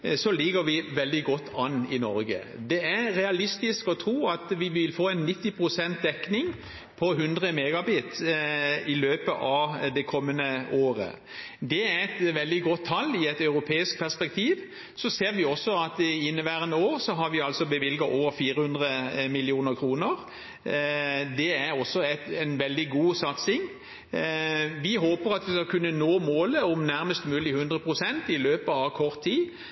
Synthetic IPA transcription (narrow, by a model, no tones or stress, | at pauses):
sɔlɪɡəɾʋɪʋɛld̪ɪɡɔt̪ːɑnːɪnɔɾɡə̰ | d̪ɛæɾɾɛɑlɪst̪ɪskɔt̪ʰɾuːɑt̪ʋɪʋɪlfoːɛɪnːɪt̪ːɪpʰʁʊsɛnt̪̚d̪ɛknɪŋ | pʰɔɦʉnd̪ʁəmeːɡɑbiːt̪ | ɪløːpəʔɑʋd̪ɛkʰɔmːənəoːɾə̰ | d̪ɛæɾɛt̪ʋɛld̪ɪɡɔt̪ʰːɑlːɪɛt̪ɑʉɾʊpʰeːɪsk̚pʰæʁspɛk̚t̪ʰiːʋ | sɔseːʁʋɪɔsːɔɑt̪ɪɪnːəʋæʁənoːʁsɔɦɑɾʋɪɑlsɔbəʋɪlɡɑʔoːʋəɾfiːɾəhʉnd̪ʁəmɪlɪuːnəʁkʰʁuːnəʁ | d̪ɛæʁɔsːɔɛt̪ɛnʋɛld̪ɪɡuːsɑt̪sɪŋ | ʋɪɦoːpəɾɑt̪ʋɪskɑkʰʉnːənoːmoːləɔmnæɾməst̪mʉːlɪhʉnd̪ʁəpʰʁʊsɛnt̪ɪløːpəɑʋkʰɔʁt̪ʰːiː